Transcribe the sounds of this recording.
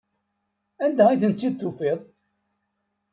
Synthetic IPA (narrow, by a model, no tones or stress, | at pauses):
ænd̪æiθənt͡sːid̪̚θufeðˤ